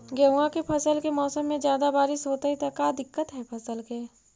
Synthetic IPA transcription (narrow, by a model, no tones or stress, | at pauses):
ɡɛɦuãkepʰɐsəlkemɔːsəmːẽd͡ʒjaːd̪abaːɾɪsɦoːt̪aɦit̪akaːd̪ɪkːət̪ɦɛpʰɐsəlkeː